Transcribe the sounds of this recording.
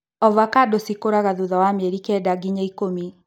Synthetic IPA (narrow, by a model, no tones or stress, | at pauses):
ɔvakadosikoɾaɣaðuðawamɛɾikɛdaɡiɲaikomi